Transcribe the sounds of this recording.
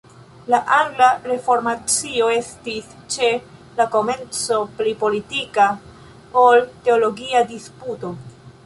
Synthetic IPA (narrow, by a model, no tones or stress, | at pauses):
laʔaŋɡlaɾe̞fo̞ɾmat͡sio̞e̞stis | t͡ʃe̞ | lako̞me̞nt͡so̞plipo̞litika | olte̞o̞lo̞ɡiadisputo̞